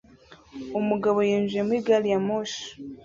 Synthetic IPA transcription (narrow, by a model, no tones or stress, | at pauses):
omuɡaβojeːnzemwiɡalijamoʃ